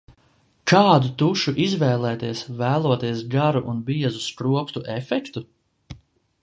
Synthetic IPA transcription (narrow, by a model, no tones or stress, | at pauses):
kaːd̪ut̪uʃuʔizvɛːlˠɛːt̪iɛsvæːlˠuɔt̪iɛsɡaɾuʔunbiɛzuskɾuɔpt̪uʔefɛkt̪u